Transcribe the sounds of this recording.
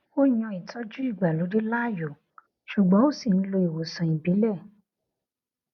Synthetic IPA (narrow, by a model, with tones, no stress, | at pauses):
o˦j̃ɔ̃˧i˨tʰɔ˦d͡ʒu˦i˦˨ɡ͡ba˨lu˨˦di˦la˦˨jo˨ | ʃu˨ɡ͡bɔ̃˨˦o˦˨si˦˨ñ̩˦lo˧i˨wo˨sɔ̃˨ĩ˨bi˨˦lɛ˦˨